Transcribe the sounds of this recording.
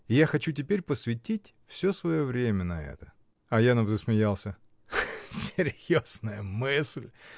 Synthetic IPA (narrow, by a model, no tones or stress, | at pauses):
ɪjaxɐt͡ɕutʲɪpʲeɾʲpəsvʲɪtʲitʲfsʲosvɐjovɾʲemʲənɐɛ̰t̪ə̥ | ɐjanɐmzəsmʲɪjalˠsʲə | sʲɪɾʲjoznəjəmɨsʲlʲ